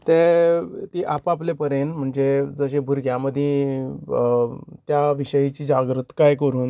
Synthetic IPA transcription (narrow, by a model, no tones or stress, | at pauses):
t̪et̪iːʔapaplepəɾenm̤əɳd͡zed͡zəɕẽbʱuɾɡʱjaməd̪ʱjĩ | t̪jaʋiɕəjit͡ɕiːd͡ʑaɡɾət̪kajkəɾuːn